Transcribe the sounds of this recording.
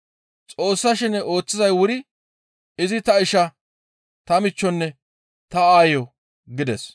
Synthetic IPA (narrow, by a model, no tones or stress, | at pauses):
t͡sʼo̞ːsːɐʃɪnɛʔo̞ːt͡sːɪzɐjwʊɾɪ | ɪzɪt̪ɐɪʃɐ | t̪ɐmɪt͡ʃːɔnːɛ | t̪ɐaːjɔ | ɡɪd̪ɛs